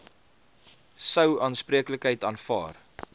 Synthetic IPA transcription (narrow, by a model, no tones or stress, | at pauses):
səwɑːnspriəkləkɦəjtɑːnfɑ̰ːr